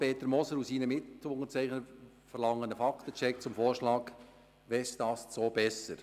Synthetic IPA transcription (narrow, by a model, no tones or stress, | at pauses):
peːt̪əɾmɔsəɾusiːnəmɪtʊŋət͡sɛɪχnə | fəɾlɑŋːənəfɑkt̪ət͡ʃɛk̚t͡sʊmfoːɾʃlɑːk | ʋɛsd̥ɑːst͡soːbɛsəɾ